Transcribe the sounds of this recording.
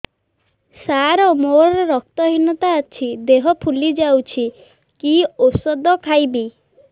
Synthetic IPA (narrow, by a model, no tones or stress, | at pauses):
saɾɔmoɾɔɾɔɾɔk̚t̪ɔɦinɔt̪aːt͡ʃʰid̪eɦɔpʰulid͡ʒawt͡ʃʰi | kiosɔd̪ɔkʰajbi